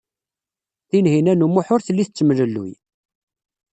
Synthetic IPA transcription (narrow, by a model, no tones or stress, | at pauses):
θinhinænumʊħʊɾθəlːiθət͡sːəmləlːṵj